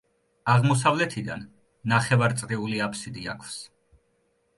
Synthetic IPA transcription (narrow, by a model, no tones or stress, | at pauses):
aʁmɔs̬avlɛt̪ʰid̪a̰nː | aχɛvaɾt̪sʼɾiuliapʰsid̪ia̰kʰfs